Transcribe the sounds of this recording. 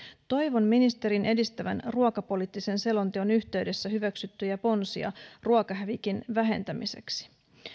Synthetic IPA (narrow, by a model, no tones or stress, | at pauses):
t̪o̞jʋo̞nminist̪e̞ɾinʔe̞dist̪æʋænruɑkɑpo̞liːt̪ːise̞nse̞lo̞nt̪io̞nyçt̪e̞ɥde̞sːæɦyʋæksyt̪ːyjɑpo̞nsiɑ̰ruɑkɑɦæʋikinʋæɦe̞̰nt̪æmisḛksi̥